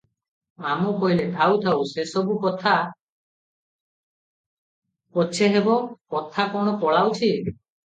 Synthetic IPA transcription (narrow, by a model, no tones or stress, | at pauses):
amɔkɔɦiled̪ʰʱawt̪ʰawsesɔbukɔt̪ʰa | pɔt͡ʃʰeɦebɔkɔt̪ʰakɔɽ̃ɔpɔɭawt͡ʃʰi